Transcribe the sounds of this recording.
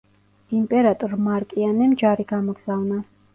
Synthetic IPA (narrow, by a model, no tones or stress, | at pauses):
impʼɛɾat̪ʼɔɾmaɾkʼianɛmd͡ʒaɾiɡamɔɡzavna